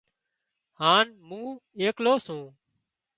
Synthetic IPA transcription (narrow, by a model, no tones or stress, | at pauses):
haːnmũːeːkloːsũː